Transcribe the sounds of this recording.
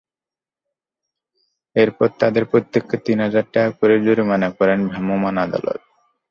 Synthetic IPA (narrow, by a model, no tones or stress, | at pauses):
eɾpɔɾt̪ad̪eɾpɾot̪ːekʰːet̪inɦad͡ʑaɾʈakoɾeɾd͡ʑoɾimanakɔɾenbʱamomanad̪a̰lo̰t̪̚